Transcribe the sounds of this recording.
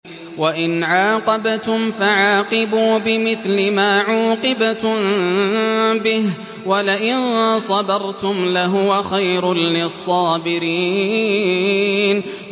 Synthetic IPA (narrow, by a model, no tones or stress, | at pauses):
waʔɪnʕaːqɑbt̪ʊmfaʕaːqɪbuːbɪmɪθlɪmaːʕuːqɨbat̪m | bɪh | walɪʔɪnsˤɑbɑɾˤt̪ʊmlaɦʊwaxajɾlɪsˤːɑːbɪɾiː | n